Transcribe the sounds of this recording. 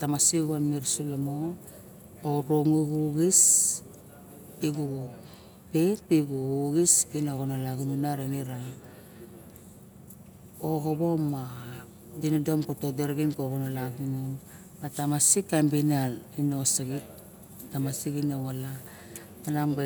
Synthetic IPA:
tamasiɡuanmiɾsulamoː | ɾoŋuɡuɡis | piɡuɡu | pepiɡuuɡisɡinaɣonalaɡununaɾemiɾa | oɡoβo̞mːa | dinodomkotodeɾɡinkoɣonalaɡunon | matamasikambinalinosaɡi | tamasiɡinoŋala | anamba

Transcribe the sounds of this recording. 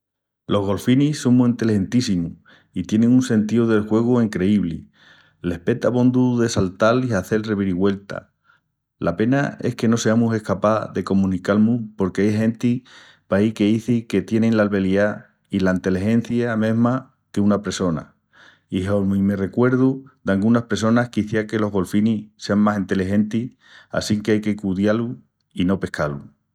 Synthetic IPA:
lo̞ɦɣ̞o̞lfinisoŋmuĩnt̪elihe̞nt̪isimu | it̪je̞nẽŋunsẽ̞nt̪iuðe̞lxwe̞ɣ̞uiŋkɾe̞iβlḭ | le̞hpe̞t̪aβõ̞nd̪uðe̞salt̪aliaθe̞lreβiɾiɣwe̞lt̪a̰ | lʔape̞na̰e̞hke̞no̞se̞amuse̞hkapaðe̞ko̞mũnikalmupo̞ɾkeajɦẽ̞nt̪i | paike̞iθike̞t̪je̞nenlalβe̞lia | ilaint̪e̞lihẽ̞n̟θjamẽ̞ɦma | ke̞unapeso̞na̰ | iɦomime̞re̞kwe̞ɾðud̪aŋɡunahpɾes̬o̞nahkiθjeake̞lo̞ɦɣo̞lfinise̞aŋmasent̪e̞liɦe̞nt̪i | a̰siŋkeajke̞kuðjalu | ino̞pe̞hkalu

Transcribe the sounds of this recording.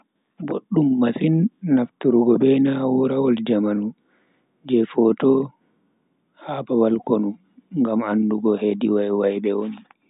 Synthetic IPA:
boɗːumːasinːaftuɾuɡɔbɛnawuɾawɔld͡ʒamanu | d͡ʒɛfɔtɔ | habawalkonu | ŋɡamanːduɡɔhediwajwajbɛwoni

